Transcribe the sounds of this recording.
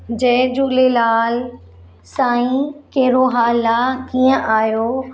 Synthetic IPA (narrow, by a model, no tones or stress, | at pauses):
d͡ʑɛ̃ːd͡ʑuːlelaːl | sãːĩkeːɾoɦaːlaːkiːə̃ʔaːjo